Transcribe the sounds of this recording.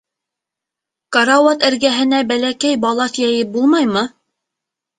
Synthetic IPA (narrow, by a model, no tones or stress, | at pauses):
kɑɾɑwot̪ɘ̆ɾɡæɦɘ̆næbælækæjbɑlˠɑθjæjɘp̚bulˠmɑjmɤ